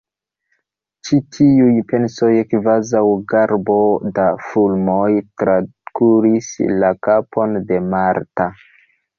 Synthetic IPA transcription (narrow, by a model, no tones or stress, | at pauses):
t͡ʃitʰiujpe̞nso̞jkvazawɡaɾbo̞dafulmojtɾakuɾislakapʰo̞nde̞maɾta